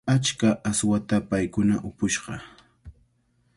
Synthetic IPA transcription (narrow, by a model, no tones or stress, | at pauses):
at͡ʃkaʔaswat̪apajkʊnaʔʊpʊʃɢɑ